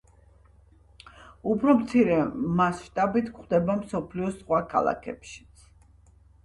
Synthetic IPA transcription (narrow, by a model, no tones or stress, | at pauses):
upʰɾɔmt̪sʰiɾɛmasʃt̪ʼabit̪ʰkχd̪ɛbamsɔpʰliɔsχwakʰa̰lˠa̰kʰɛ̰pʃi̥t̪sʰ